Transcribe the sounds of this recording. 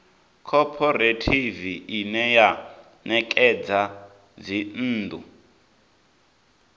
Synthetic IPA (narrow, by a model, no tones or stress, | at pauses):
kʰɔpʰɔɾetʰiviinɛja | nɛkʼɛd͡za | d͡zin̩ːd̪ṵ